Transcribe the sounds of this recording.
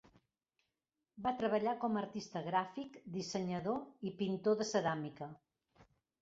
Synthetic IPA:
bat̪ɾəβəʎakɔməɾt̪ist̪əɣɾafikd̪isəɲəðoipint̪oðəsəðamikə

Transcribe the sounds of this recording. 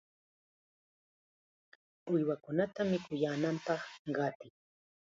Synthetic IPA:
ʊjwakʊnat̪amɪkʊjaːnampɑχɢɑt̪ɪ

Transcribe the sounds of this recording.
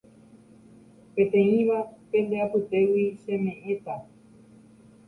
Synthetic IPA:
pẽ̞t̪ẽ̞ĩʋapẽ̞nd̪eapɨt̪e̞wiʃẽ̞mẽ̞ʔẽt̪a

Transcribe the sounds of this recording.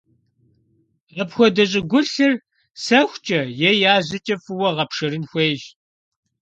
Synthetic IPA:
ʁɐpxʷɔdɐɕ̬ʼɪɡʷʊɬɨr | sɐxʷt͡ʃʼɐjɛjaːʑɪt͡ʃʼɐfɨwɔʁɐpʂɨɾɨnxʷeːʒ

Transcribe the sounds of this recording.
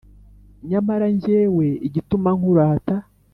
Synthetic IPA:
ɲamaɾaɲɟeːwe̞iɟitumaŋ̥huɾaːta

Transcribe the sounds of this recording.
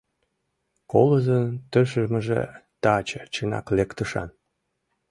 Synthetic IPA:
koləzənt̪əʃəʒmə̆ʒḛt̪ɑt͡ɕət͡ɕənɑ̰klekt̪əʃɑ̰n

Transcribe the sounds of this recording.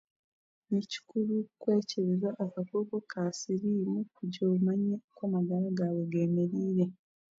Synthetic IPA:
neci̥kulukweːceβizaʔːkakoːkokʰaːsiɾiːmukuɟomaɲekwaːmaɡalaɡaweɡeːmeɾiːɾe

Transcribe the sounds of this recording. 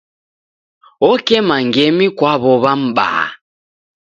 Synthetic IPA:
ɔkɛmaŋɡɛmikwaβɔβam̩ba̰

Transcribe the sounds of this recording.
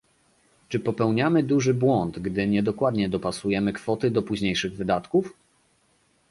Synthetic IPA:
t͡ʂɘpɔpɛwɲamɘd̪uʐɘbwɔnd̪ɡd̪ɘɲɛd̪ɔkwad̪ɲɛd̪ɔpasujɛmɘkfɔt̪ɘd̪ɔpuʑɲejʂɘɣvɘd̪at̪kuf

